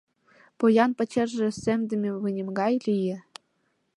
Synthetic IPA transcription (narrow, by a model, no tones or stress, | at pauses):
pojɑnpɘ̆t͡ɕĕrʒɘ̆sɘ̆md̪ɘ̆mʲevɯnʲɘ̆mɡɑjlʲijɘ̆